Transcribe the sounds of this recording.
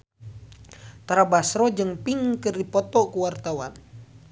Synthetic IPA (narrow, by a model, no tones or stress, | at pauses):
t̪ɾabasɾɔd͡ʒɨŋpiŋkɨrdipɔt̪ɔkuwart̪awan